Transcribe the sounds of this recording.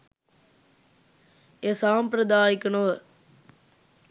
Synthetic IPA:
esaːmpɾɐd̪aːikənoʋə

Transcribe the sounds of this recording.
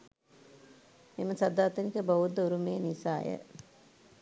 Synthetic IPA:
miməsad̪aːt̪ənikəboʋud̪ːəuɾumeːnisaːjə̰

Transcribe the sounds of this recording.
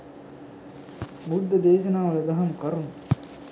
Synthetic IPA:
mud̪ːɐd̪eːʃɐnaːʋɐlɐd̪ɐɦɐmkɐɾun

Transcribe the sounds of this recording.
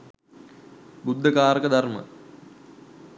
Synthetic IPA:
bud̪ʱːəkaːɾəkəd̪armə̰

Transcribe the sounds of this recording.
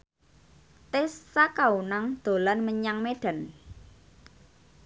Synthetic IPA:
t̪ɪsːakaunaŋd̪̥o̤lanməɲaŋmeɖ̥a̤n

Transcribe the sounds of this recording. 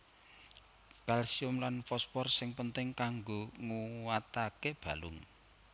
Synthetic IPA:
kalsiʊmlanfɔspɔrsɪŋpənt̪ɪŋkaŋɡoŋuwat̪akeb̥a̤lʊŋ

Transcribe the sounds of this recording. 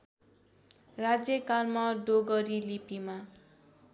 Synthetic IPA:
rad͡zjʌkalmaɖoɡʌɾilipima

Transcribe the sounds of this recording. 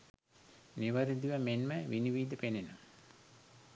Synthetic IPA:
niʋəɾid̪iʋəmenməʋiniʋiːd̪əpenenom

